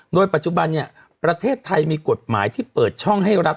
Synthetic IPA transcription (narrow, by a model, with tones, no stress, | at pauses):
doː˧jpa˨˩t͡ɕu˨˧ba˧nːi˥˩ɐ | pɾa˧t̪ʰeː˥˩t̪ʰːa˧jmiː˧ko˨˩t̪̚ma̰ː˩˦jt̪ʰiː˥˩pɤː˨˩t̪̚t͡ɕʰɔ˥˩ŋɦa˥˩jɾa˦˥